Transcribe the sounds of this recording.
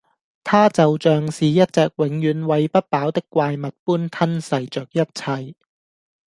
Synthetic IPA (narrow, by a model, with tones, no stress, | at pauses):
t̪ʰaː˥t͡sɐ˨wt͡sœː˨ŋsiː˨jɐ˥t̚t͡sɛː˨k̚wɪ˨˥ŋjyː˨˥nwɐ˨˧jpɐ˥t̚paː˨˥wt̪ɪ˥kːʷwaː˧jmɐ˨t̚puː˥nt̪ʰɐ˥nsɐ˨jt͡ʃœː˨k̚jɐ˥t̚t͡sʰɐ˧j